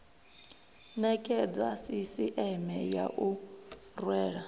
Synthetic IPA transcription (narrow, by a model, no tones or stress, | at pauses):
nɛkʼɛd͡zwasisiʔɛmɛja̰ʔu | rwɛːɺa